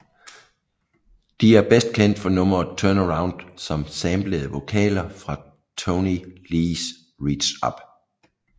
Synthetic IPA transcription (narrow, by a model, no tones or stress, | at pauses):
d̥iæɐb̥esd̥̚kʰen̰d̥fɒ̽nɔ̽mɐt͡sʰœɐnəʁäʊ̃nd̥sɒ̽msɛmb̥leð̩ˠəʋo̝kʰɛ̰ːlɐfʁɑ̈ | t͡sʰoniliːs | ʁi̥ɕɒb̥